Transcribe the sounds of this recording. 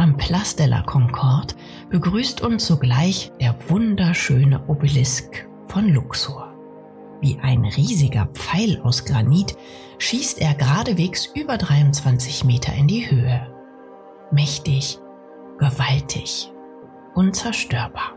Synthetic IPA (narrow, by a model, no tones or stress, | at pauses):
ʔampʰl̥astɛlʔɐ̰kʰɔŋkʰɔɐt | b̥əɡʁyːstʰʊnsz̥oɡlaɪçd̥eːɐvʊndɐʃøːnəʔobəlɪsk | fɔnlʊksuɐ | vḭːʔaɪnʁiːzɪɡɐ̰p͡faɪlaʊsɡ̥ʁaniːt | ʃiːstʔeːɐɡʁaːdəveːksʔyːbɐdʁaɪʊntt͡sv̥ant͡sɪçmeːtʰɐ̰ɪndiːhøːə | mɛçtɪç | ɡ̥əvaltʰɪç | ʔʊnt͡sɛɐʃtøːɐbaːɐ